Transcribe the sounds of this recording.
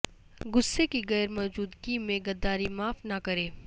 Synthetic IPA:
ɡʊsːekiɣɛːɾmɔːd͡ʒuːd̪kiːmẽɡɐd̪aːɾimaːfnɐkɐɾeː

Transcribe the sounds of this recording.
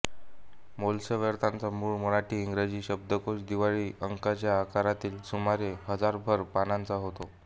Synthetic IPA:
molsəʋəɾt̪ʰant͡samuːɭməɭaʈʰiːŋɡɾed͡ʑiːɕəb̚d̪əkoɕd̪iʋaɭiːəŋkat͡ɕjaːkaɾat̪iːlsumaɾehəd͡zaɾbʱəɾpanant͡saɦot̪o

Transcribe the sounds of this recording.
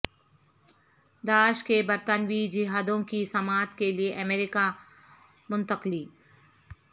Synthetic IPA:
d̪aːʃkebɐɾt̪ənwid͡ʒɪɦaːd̪õkisɐmaːt̪kelieʔɐmeːɾɪka | mʊ̃nt̪əqliː

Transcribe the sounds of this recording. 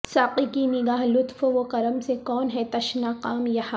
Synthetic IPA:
saːqikinɪɡaːɦlʊt̪foʋokɐɾəmsekɔːnɦɛt̪ɐʃnaːqaːmjɐha

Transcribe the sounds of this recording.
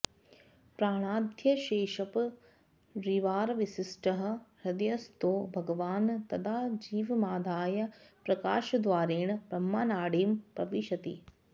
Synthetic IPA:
pɾaːɽ̃aːd̪ʱjɐʃeːʃɐp | ɾiʋaːɾɐʋisisʈɐɦɐ̆ɾɐd̪ɐjɐst̪oːbʱɐɡɐʋaːnt̪ɐd̪ʰaːd͡ʒiːʋɐmaːd̪ʱaːjɐpɾɐkaːʃɐd̪ʋaːɾeːɳbɾɐmːaːnaːɽiːmpɐʋiʃɐt̪ḭ

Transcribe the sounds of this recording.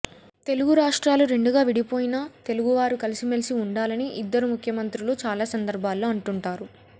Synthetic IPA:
t̪e̞luɡuɾaːʂʈɾaːluɾe̞ɳɖuɡaːʋiɽipoːjinɐt̪e̞luɡuʋaːɾukɐlisimelsiuɳɖaːlɐniʔid̪ːɐɾumukʰjɐmɐnt̪ɾuloːt͡ʃaːlaːsɐnd̪ɐɾbʱaːlːoːɐɳʈuɳʈaːɾu

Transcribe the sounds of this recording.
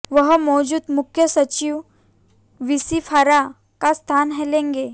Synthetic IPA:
ʋəɦəmɔːd͡ʑuːd̪mʊkʰjəsət͡ɕiʋ | ʋisifʰaɾa | kast̪ʰanɦɛlẽŋɡe

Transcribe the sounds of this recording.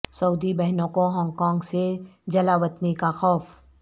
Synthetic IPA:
sɐuːd̪ibɛɦnõkoɦɔ̃ːŋɡkɔ̃ːŋɡsed͡ʒɐlaːʋət̪nekaxɔːf

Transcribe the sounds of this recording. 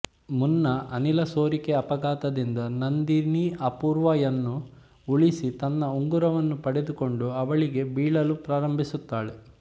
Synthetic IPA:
munːɐʔɐnilɐsoːɾikeɐpɐɡaːt̪ɐd̪ind̪ɐnɐnd̪iniʔɐpuːɾʋajɐnːu | uɭisit̪ɐnːɐuŋɡuɾɐʋɐnːupɐɽed̪uko̞ɳɖuɐʋɐɭiɡe̞biːɭɐlupɾaːɾɐmbʱisut̪ːaːɭe

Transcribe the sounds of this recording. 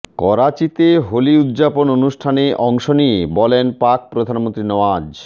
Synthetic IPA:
kɔɾat͡ɕit̪eɦoliud̪d͡ʑapononuʃʈʰaneʔɔŋʃoniebɔlenpak̚pɾod̪ʱanmõnt̪ɾinɔad͡ʑ

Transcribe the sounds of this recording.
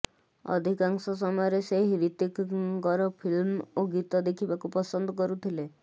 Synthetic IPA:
ɔ̰d̪ʱikaŋsɔs̬ɔmɔjɔɾeseɦɦiɾit̪ikkɔɾɔpʰilmoɡit̪ɔd̪ekʰibakupɔsɔnd̪ɔkɔɾut̪ʰile

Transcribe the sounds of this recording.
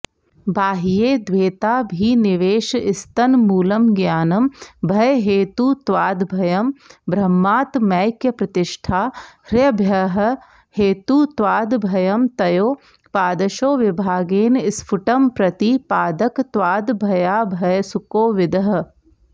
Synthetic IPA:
baːɦjeːd̪ʋeːt̪aːbʱinɪʋeːʃɪst̪ɐnmuːlɐmɡjaːnɐmbʱɐjɦeːt̪ut̪waːd̪bʱɐjɐmbɾɐmːaːt̪mɐjkjɐpɾɐt̪ɪʃʈʰaːɾjɐbʱjɐɦ̆ | heːt̪ut̪waːd̪bʱɐjɐmt̪ɐjoː | paːd̪ɐʃoːʋɪbʱaːɡeːnɪspʰʊʈɐmpɾɐt̪ipaːd̪ɐkt̪waːd̪bʱɐjaːbʱɐjsʊkoːʋɪd̪ɐɦ

